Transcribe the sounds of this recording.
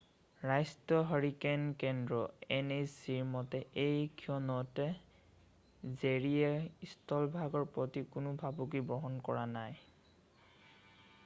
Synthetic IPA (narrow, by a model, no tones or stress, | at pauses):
ɹajstɔɦɔɹikenkɛndɹɔenesiɹmɔtɛʔejkʰiɔnɔtɛ | zeɹiɛistʰɔlbʱaɡɔɹpɹɔtikʊnʊbʱabukibɔɦɔnkɔɹanaj